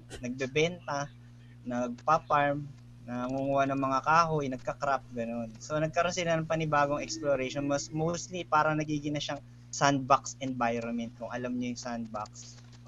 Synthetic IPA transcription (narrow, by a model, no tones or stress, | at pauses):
nɐɡ̚bɛbɛnt̪ɐ | nɐɡ̚papaɹm | nɐŋuŋuwanɐŋmɐŋakaːhojnɐɡ̚kɐkɾap̚ɡɐno̞nso̞nɐɡ̚kɐɾo̞nsɪlanɐŋpɐnɪbaːɡoŋɛksploɾɛʃonmosmowst̪lipaːɾɐŋnɐɡiːɡɪnɐʃaŋ | sand̪̚baksɛnbajɾonmɛnt̪̚kʊŋʔɐlamɲojʊŋsand̪̚bak̚s